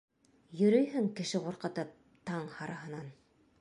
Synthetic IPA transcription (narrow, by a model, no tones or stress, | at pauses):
jɵ̆ɾɵjɦɘŋkɘ̆ʃɘqŭɾqɤ̆t̪ɤp̚ | t̪ɑɴhɑɾɑɦɤ̆nɑn